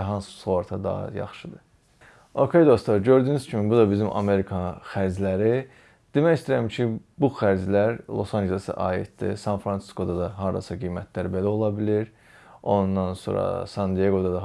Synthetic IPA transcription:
ɦɑnssoɾt̪ʰɑd̪ɑ̰ɦɑ̰jɑ̰χʃɯd̪ɯ | o̞kʰe̞jd̪o̞st̪ɑɾɟø̞ɾd̪yːnyz̥cʰimibud̪ɑbizimʔɑ̰me̞ɾikʰɑxæɾd͡ʒlæɾi | d̪̥emæjist̪iɾæmcʰibuxæɾd͡ʒlæɾlˠo̰sɑnd͡ʒelˠesɯ̰ʔɑːḭt̪̚d̪̥ḭsɑnfɾɑnsi̥sko̞d̪ɑd̪ɑɦɑɾd̪ɑ̰sɑɡijmæt̪ʰlæɾbe̞læo̞lˠɑbiliɾ | o̞nd̪ːɑnso̞̰ːɾɑ̰sɑnd̪ijeɡo̞d̪ɑd̪ɑ

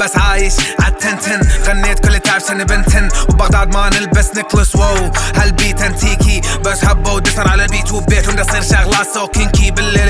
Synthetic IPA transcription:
basʕaːjɪʃʕadt̪ʰːɪnt̪ʰɪnɣanːeːt̪̚kʊlːɪt̪aʕbʃanːɪbɪnt̪ʰɪnwbɑɣd̪ɑʕd̪maːnɪlbɪsnɪklʊswowhalbiːt̪ant̪ʰiːkibasħabːawd̪ɪfɑɾˤʕalalbiːt̪uwʊbːeːħwnːasˤiːɾʃaɣlasoːkɪnkibɪlːeː

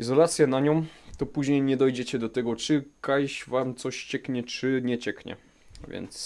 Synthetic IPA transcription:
ʔizɔlat̪sʲjanaɲɔ̃mt̪ɔpuʑɲejɲɛd̪ɔjd͡ʑɛt͡ɕɛd̪ɔt̪ɛɡɔt͡ʂɘkajɕvamt̪sɔɕt͡ɕɛkɲɛt͡ʂɘɲɛt͡ɕɛkɲɛ̰ | vʲjɛ̰nt̪s

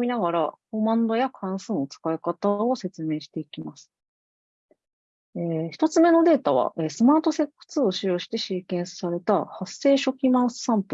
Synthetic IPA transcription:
mʲinaɡaɾakomãnd̪o̞jakʰãɰ̃sɨot͡sɨ̥kaikat̪ao̞se̞t͡sɨme̞ːɕi̥t̪e̞ikʲimasɨ̥ | eːçi̥t̪o̞t͡sɨme̞no̞d̪e̞ːt̪aβ̞a̰ʔe̞sɨmaːt̪o̞se̞kːɯ̥t͡sɨoɕijo̞ːɕi̥t̪e̞ɕiːkẽ̞ɰ̃ssaɾe̞t̪ahasːe̞ːɕo̞kʲimãɰ̃sɨ̥sãmpɯ̟

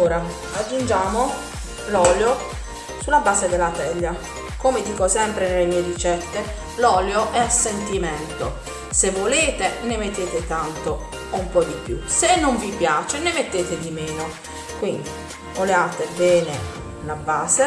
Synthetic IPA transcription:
oːɾa | ad͡ʒːund͡ʒaːmo | lɔljo | sulabaːsed̪elːat̪ɛʎːa | komed̪iːkosɛmpɾenelːemiːed̪it͡ʃɛt̪ːe | lɔːljoʔɛasːent̪iment̪o | sevːoleːt̪enemet̪ːeːt̪et̪ant̪o | umpɔd̪ipjṵsenːoɱvipjaːt͡ʃenemet̪ːeːt̪ed̪imeːno | kwind̪i | oleaːt̪ebɛːne | labaːze

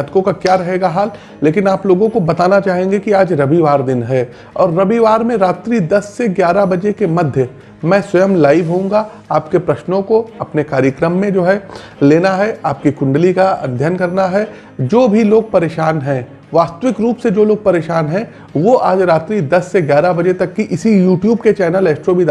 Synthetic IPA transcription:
ad̪kõkakjaːɾɐɦeːɡaɦaːlː | eːkɪnaːploːɡõkobɐt̪aːnat͡ʃaːɦẽːŋɡekiaːd͡ʒɾɐbiʋaːɾd̪ɪnɦɛː | ɔːɾːɐbiʋaːɾmẽɾaːt̪ɾid̪ɐsːeɡjaːɾabɐd͡ʒekemɐd̪ʱjə | mɛ̃ːswɐjəmlaːɪʋɦõːŋɡa | aːpkepɾɐʃnõkoɐpnekaːɾjəkɾəmːẽd͡ʒoːɦɛ | leːnaɦɛaːp̚kikʊ̃ɳɖlikaɐ̰d̪ʱjənkɐɾnaɦɛ | d͡ʒoːbʱiloːɡ̚pɐɾeːʃaːnɦɛ̃ | ʋaːst̪əʋɪkɾuːpsed͡ʒoːloːɡ̚pɐɾeːʃaːnɦɛ̃ | ʋoʔaːd͡ʒɾaːt̪ɾiːd̪ɐsːeɡjaːɾabɐd͡ʒet̪ɐkːiʔɪsijuːʈjuːbket͡ʃɛːnəleːsʈɾobʱid̪

